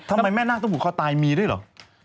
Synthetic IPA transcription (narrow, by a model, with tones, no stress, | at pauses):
t̪ʰa˧ma˧jmɛː˥˩naː˥˩t̪ɔ˥˩bu˨˩kʰa˥˩t̪aː˧jmiː˧du˥˩jlɔ̰˩k̚